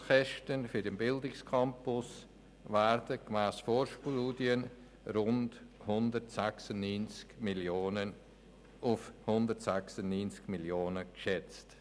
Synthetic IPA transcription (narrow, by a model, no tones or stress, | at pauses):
xɛʃtənfyɾdɛmbɪldɪkskʰɑmpʊs | væɾdəkmæːsfoːɾʃpuːdiən | ɾʊndhʊndəɾtsæksʊnnyːnt͡skmiljoːnən | ʊfhʊndəɾtsæksʊnnyːnt͡skmiljoːnəkʃɛt͡st